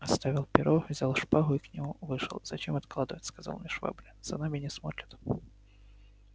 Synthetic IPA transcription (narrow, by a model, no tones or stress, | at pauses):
ɐst̪avʲɪlˠpʲɪɾʔovzʲalˠʂpaɣʊiknʲɪmuvɨʂə̰lˠz̥ɐt͡ɕemɐt̪klˠad̪ɨvətʲskɐza̰lˠmʲɪʂva̰blʲɪz̥ɐ̰namʲɪnʲɪsmot̪ʲɾʲɪt̪